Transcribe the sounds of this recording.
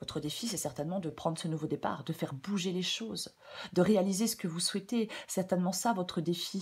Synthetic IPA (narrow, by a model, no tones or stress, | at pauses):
vɔt̪χəd̪efisɛsɛʁt̪ɛnmɑ̃d̪əpχɑ̃d̪ʁəsənuvod̪epa̰ːʁd̪əfɛʁbuʒeleʃoːz | d̪əʁealizesə̥kəvuswɛt̪esɛʁt̪ɛnmɑ̃savɔt̪χəd̪efi